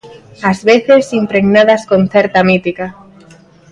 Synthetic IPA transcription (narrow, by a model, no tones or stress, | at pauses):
azβeθesimpɾeɣnaðaskonθɛɾt̪amit̪ika